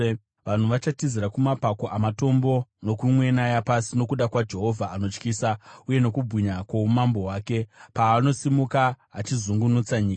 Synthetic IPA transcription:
ʋan̤uʋat͡ʃatiziɾakumapako̞ʔamato̞mbo̞no̞kumwe̞najapasino̞kuɗakwad͡ʒe̞ɦo̞vʱaːno̞t͡ʃkiːsauje̞no̞kubʱwiɲakwoumambo̞ɦwaːke̞paːno̞simukaː | t͡ʃizuŋɡunut͡saɲiːka

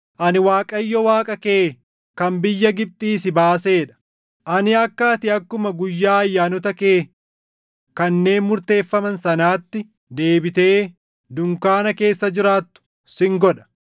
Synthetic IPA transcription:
ʔɐnɪwaːkʼɐjːɔwaːkʼɐkeː | kɐmbɪjːɐɡɪb̚t̪ʼiːsɪbaːse̞ːᶑɐ̥ | ʔɐnɪɐkːaːt̪ɪɐkːʊmɐɡʊjːaːɐjːaːnɔt̪ɐkeː | kɐnːe̞ːnmʊɾt̪e̞ːfːɐmɐnsɐnaːt̪ːɪ | d̪e̞ːbɪt̪e̞ː | d̪ʊŋkaːnɐke̞ːsːɐd͡ʒɪɾaːt̪ːʊ̥ | sɪŋɡɔᶑɐ̥

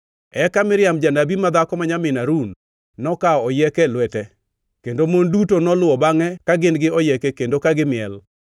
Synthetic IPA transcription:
ɛkamɪɾɪjamd͡ʒanabimad̪akɔmaɲamɪnaɾunː | ɔkaɔɔjɛkɛlwɛtɛ | kendomondutonɔlʊɔbaŋɛkaɡɪnɡɪɔjɛkɛkendokaɡɪmɪɛl

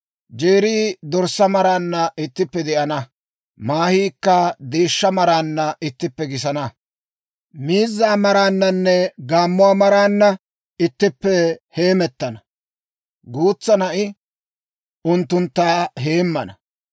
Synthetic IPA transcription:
d͡ʒeːɾiːd̪ɔɾsːɐmɐɾaːnːɐʔɪt̪ːɪpːɛd̪ɛʔɐnɐ | maːhiːkːɐd̪e̞ːʃːɐmɐɾaːnːɐʔɪt̪ːɪpːɛɡɪsɐnɐ | miːzːaːmɐɾaːnːɐnːɛɡaːmːʊaːmɐɾaːnːɐ | ɪt̪ːɪpːɛhe̞ːmɛt̪ːɐnɐ | ɡuːt͡sːɐnɐʔɪ | ʔʊnt̪ːʊnt̪ːaːɦe̞ːmːɐ̰nɐ

